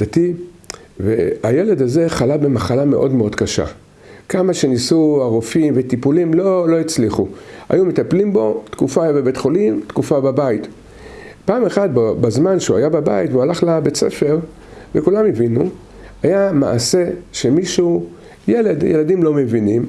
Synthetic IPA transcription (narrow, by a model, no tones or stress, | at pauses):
d̥at̪i | veaje̞le̞daze̞χalabe̞maχalame̞ʔo̞dmeo̞dkaʃa̰ | kamaʃe̞nisuaʁofimvet̪ipulimlo̞lo̞it͡sliχua̰jumet̪aplimbo̞tkufajbebetχolimt̪kufababait | paːmeχad̚bbazmanʃeua̰jababa̰itveualaχlabet͡sḛfe̞ʁ | vekulamevinu | ajama̰ːse̞ʃemiʃu | jele̞djeladimlo̞me̞vinim